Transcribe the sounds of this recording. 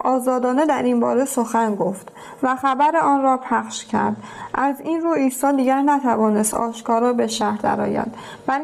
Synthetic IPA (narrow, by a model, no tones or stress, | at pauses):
ʔɒːzɒːd̪ɒːned̪æɾinbɒ̰ːɾesoxænɡo̞ft̪ | væxæbæɾeɒːnrɒːpʰæχʃcʰæ̰ɾd̪ʔæziːnruːiːsɒːd̪iːɟæɾnæt̪ʰævɒːne̞st̪ɒ̰ːʃkɒːɾɒːbe̞ʃæhɾd̪æ̰ɾɒ̰ːjæ̰nd̪ | væl